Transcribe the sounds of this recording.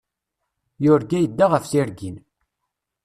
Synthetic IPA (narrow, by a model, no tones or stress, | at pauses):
jʊɾɡæjəd̪ːaʁəfsiɾɡin